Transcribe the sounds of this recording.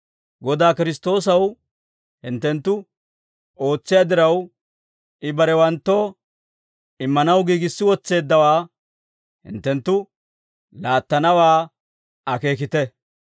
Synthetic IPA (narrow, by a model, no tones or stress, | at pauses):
ɡɔd̪aːkɪɾɪst̪o̞ːs̬ɐw | hɪnt̪ːɛnt̪ːʊ | ʔo̞ːt͡sːɪjaːd̪ɪɾɐw | ʔɪbɐɾɛwɐnt̪ːo̞ː | ɪmːɐnɐwɡiːɡɪsːɪwɔt͡sːe̞ːd̪ːɐwaː | hɪ̰nt̪ːɛnt̪ːʊ | laːt̪ːɐnɐwaː | ɐke̞ːk̬ɪt̪ɛ